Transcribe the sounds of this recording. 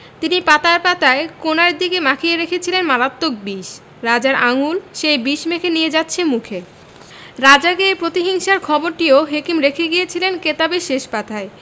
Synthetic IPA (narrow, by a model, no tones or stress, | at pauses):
t̪inipat̪aepat̪aekonaɾd̪ikemakʰieɾekʰet͡ɕʰilenmalat̪ːok̚biʃ | ɾad͡ʑaɾaŋulʃejbiʃmekʰenijed͡ʑatːɕʰemukʰe | ɾad͡ʑaɡepɾot̪iɦiŋʃaɾkʰɔboɾʈioɦekimɾekʰeɡijet͡ɕʰilenket̪abeʃeʃpat̪ʰae